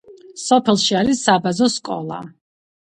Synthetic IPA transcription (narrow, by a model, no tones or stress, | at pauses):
sɔpʰɛlˠʃiaɾisabazɔskʼɔ̰lˠa̰